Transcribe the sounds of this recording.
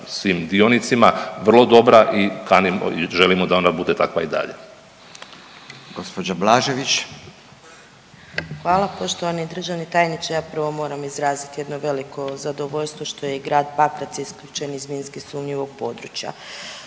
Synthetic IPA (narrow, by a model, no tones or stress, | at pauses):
sʋiːmd̪ionit̪simaʋr̩lˠo̞d̪o̞bɾaʔikanimo̰iʒe̞limod̪ao̞nabud̪e̞t̪akʋaid̪a̰ʎḛ | ɡ̥ospod͡ʒablˠaʒeʋit͡ʃ | xʋaːlˠapoʃt̪oʋanid̪r̩ʒaʋnit̪aːjnisejaːpr̩ʋo̞mo̞ːɾamizɾaːzit̪je̞d̪no̞ʋe̞liko̞zad̪o̞ʋoʎʲst̪ʋo̞ʃt̪o̞jeɡɾaːd̪pakɾat̪siiskʎut͡ʃenizminskisumɲiʋo̞ɡ̥̚po̞ːd̪ɾut͡ɕja̰